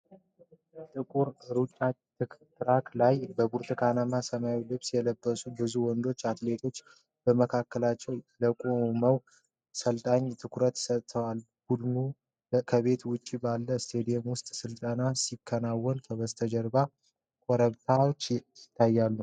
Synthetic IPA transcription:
at̪ʼɨkʼuɾɾut͡ʃʼat̪ːɨkʰɨt̪ʰːɨɾaklajbəbuɾt̪ʰɨkʰanamasəmawilɨβsjɛləbːəsubɨzuwɔnd̪o̞t͡ʃːat̪le̞t̪ʰo̞t͡ʃː | b̥əməkʰakːəlat͡ʃːɛwləkʼo̞məw | səlt̪ʼaɲt̪ʰɨkʰɾət̪sət̪ʼt̪ʰːəwal | b̥ud̪nu | kʰəβe̞t̪wʊt͡ʃʼːibalːəst̪ʰe̞d̪ijɛmwʊst̪ʼsɨlt̪ʼənasikʰːənawːɔnk̪ʰəβəst̪ʰəd͡ʒɛɾba | kʼoɾəβt̪ʰawot͡ʃːjɪt̪ʰːajːalːu

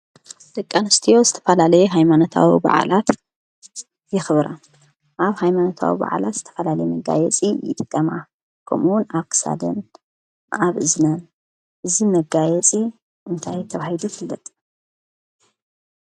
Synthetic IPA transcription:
d̪̥ɨkʼːanɨst̪ʰijo̞zɨt̪ʰɐ̥fɐlalɐjɛɦajmanot̪ʰa̰wiba̰ʕa̰lat̪ | jɪxɨβɾa̰ | ʔaβhajmanot̪ʰa̰wḭba̰ʕa̰lat̪z̥ɨt̪ʰɐ̥fɐlalɐjɛmɐɡa̰jɛt͡sʼijɪ̰t̪ʼɨkʼːɐma | kʰɐ̰muwunaβkʰɨ̥sa̰d̪ɐ̰n | aβʔɨznɐn | ʔɨzimɐɡajɛt͡sʼi | ʔɨnt̪ʰajt̪ʰɐβahid̪ufɨlːɐt̪ʼ

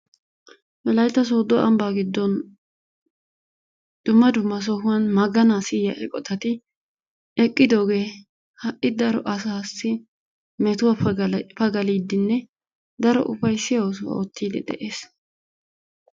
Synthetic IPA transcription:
bɛlɐjt̪ːɐs̬oːd̪ɔʔɐ̰mbaːɡɪd̪ːɔn | d̪̥ʊmːɐd̪ʊmːɐs̬ɔhʊwɐnmɐɡɐnaːsɪjɐʔɛkʼɔt̪ɐt̪ɪ | ɛkʼːɪd̪o̞ːɡe̞ː | hɐʔɪd̪ɐɾɔ̰ʔɐsaːsːɪ | mɛt̪ʊwɐpɐɡɐliːd̪ːɪnːɛ | d̪ɐɾɔ̰ʔʊfɐjsːɪjɐwos̬ʊwa̰ɔt̪ːiːd̪ɛ̰d̪ɛ̰ʔe̞ːs

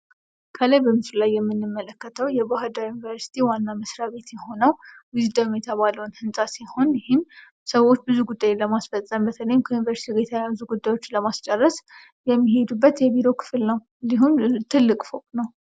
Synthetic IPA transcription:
kʰələjbəmɨsɾulajːɛmːɨnːɨmːələkːət̪ʰəwjɛbaɦad̪ajunivəɾsi̥t̪ʰiwanːaməsɾaβe̞t̪jɛho̞nəwwɪzid̪aumet̪ʰaβaləwnhɨnsʼasiho̞njɪhɪm | səwo̞t͡ʃːbɨzuɡud̪ːajləmasfəsʼəmbət̪ʰələjɲkʰəjunivəɾsit̪ʰiwejɛt̪ʰəjazuɡud̪ːajwo̞t͡ʃːləmast͡ʃʼɛrːəs | jɛmːiɦe̞d̪ubːət̪jɛbiɾo̞kʰɨ̥flnəw | ɨnd̪iɦumt̪ʰɨlːɨkʼfokʼnəw

